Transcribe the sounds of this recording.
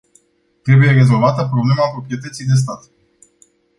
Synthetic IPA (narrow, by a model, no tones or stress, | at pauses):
t̪ɾe̞buje̞re̞zo̞lvat̪əpɾoble̞maːpɾo̞pɾie̞t̪ət̪sijd̪es̬t̪at̪